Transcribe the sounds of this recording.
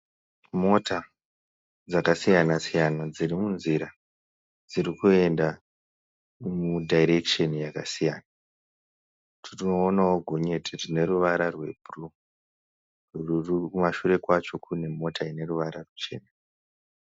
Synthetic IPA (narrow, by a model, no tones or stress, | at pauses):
mo̞ta | d͡zakasijanasijanad͡ziɾimunziɾa | d͡ziɾikue̞nda | mudʱaiɾe̞kʃenjakasijana | tʰiriːnaoɡʱo̞ɲe̞tʰirine̞ɾuʋaɾarwe̞bʱuru | rururikumaʃuɾe̞kwat͡ʃo̞kʰune̞mo̞taine̞ruʋaɾarut͡ʃe̞̰ːna